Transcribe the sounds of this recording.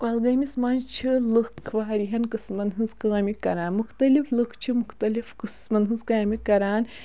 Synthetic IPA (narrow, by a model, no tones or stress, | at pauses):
kɐlɡɐmʲismɐnt͡ʃʰilɨkʰːʋaːɾiɦɐnkɨsmɐnɦɨnzkaːmʲikɐɾaːnmuxt̪ɐliflɨkʰt͡ʃʰimuxt̪ɐlifkɨsmɐnɦɨnzkaːmʲikɐɾaːn